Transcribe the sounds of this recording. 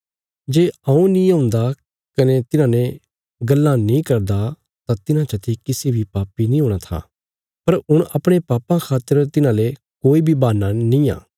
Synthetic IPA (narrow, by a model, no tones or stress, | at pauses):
d͡ʒeːaũnĩːãːʊnd̪a | kɐnet̪ɪnãːnẽ | ɡɐlːãnĩːkɐɾd̪a | t̪ãt̪ɪnãt͡ʃɐt̪ʰekɪsebʱipaːpinĩːɦoːɽ̃at̪ʰa̰ː | pɐɾʊɽ̃ɐpɽ̃epaːpãkʰaːt̪əɾt̪ɪnãle | koːibʱibaːnːanĩːã̰ː